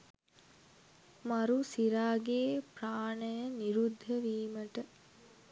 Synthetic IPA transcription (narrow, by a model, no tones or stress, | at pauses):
maɾusiɾaːɡeːpraːɳəjəniɾud̪ʱːəʋiːməʈə